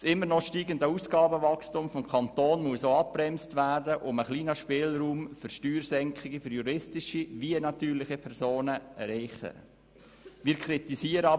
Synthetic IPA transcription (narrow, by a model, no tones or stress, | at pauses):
sɪmːəɾnɔʃtiːɡəndəusɡ̥ɑːbəʋɑkstʊmfɔmkʰɑnt̪oːnmuəsoːɑp̚pːrɛmstʋæːɾdəʔʊməχliːnəʃpɪːlɾuːmfʏɾʃtyːɾsɛŋkχɪɡəfʏɾjuɾɪstɪʃiʋiənɑt̪yːɾlɪχipʰɛɾsoːnəɛɾɛɪχə̰ | ʋiːɾkʰɾitisiːəɾə